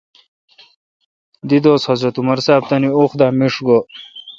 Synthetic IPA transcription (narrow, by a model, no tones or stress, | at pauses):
d̪id̪oːshɐzɾɐt̪umɐɾsaːb̚t̪ɐnioxd̪aːmiʂɡo